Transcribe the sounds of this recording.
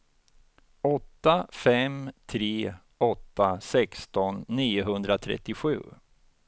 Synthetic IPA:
ɔt̪ːafɛmt̪ʰɾeː | ɔt̪ːasɛkst̪ɔnːiːʊɦɵnd̪ɾat̪ʰɾɛ̰t̪ːɪɧʉ̟̰ː

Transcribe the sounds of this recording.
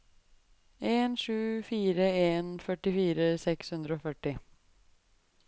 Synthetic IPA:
eːnʂʉːfiːɾəeːnfœʈɪfiːɾəsɛkshʉnd̪ɾəoːfœʈːɪ

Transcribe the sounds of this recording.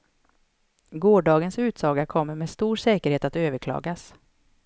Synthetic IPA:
ɡoːɖɑːɡənsʉ̟ːt̪sɑːɡakʰɔmːəɾmeːd̪st̪uːɾʂɛːkəɾheːt̪at̪øːvəɾkʰlɑ̰ːɡas

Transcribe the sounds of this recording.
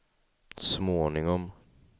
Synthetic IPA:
smoːnɪŋɔm

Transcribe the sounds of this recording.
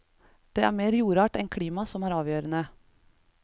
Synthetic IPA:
d̪̥eːʔæːɾmeːɾjuːɾɑːʈɛnkʰɽiːmɑsɔmæːɾɑːʋjøːɾənə

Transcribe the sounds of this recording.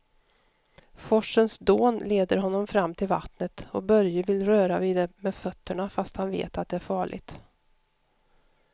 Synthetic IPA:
fɔʂːənsd̪oːnleːd̪əɾɦɔnːɔmfɾamːt̪ʰɪlva̰t̪nət̪ɔbœɾjəvɪlɾøːɾaviːd̪ɛmɛːfœt̪ʰːəɳafast̪hanvḛːt̪at̪̚d̪ɛæɾfɑːɭɪ̰t̪

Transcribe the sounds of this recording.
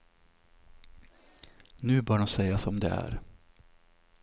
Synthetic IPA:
nʉ̟ːbœːɖɔmsɛjasɔmd̪ɛæ̰ːɾ

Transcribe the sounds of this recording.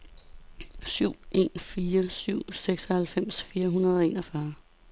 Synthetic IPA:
syʊ̰e̝̰ːnfiːɐsyʊ̰seɡ̥sɒhælfem̰sfiːɐɦunɐð̞ˠɒ̽e̝ːnɒfɶɐ

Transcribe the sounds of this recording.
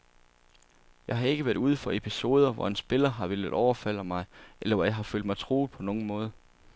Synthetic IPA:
jɑ̈ɪɦɑ̈e̝ɡ̥əʋæɐd̥uð̞ˠfɒ̽e̝pʰiso̝ːð̞ˠɐʋɒ̰e̝nsb̥e̝lɐɦɑ̈ʋe̝ləðˠʔɒʊɐfæl̰ɐmɑ̈ɪʔelɐʋɒjɑ̈ɦɑ̈fø̰l̰d̥mɑ̈ɪt͡sʰʁo̝̰ːð̩ˠpʰɒ̽noːn̩mɔ̽ːð̞ˠɐ

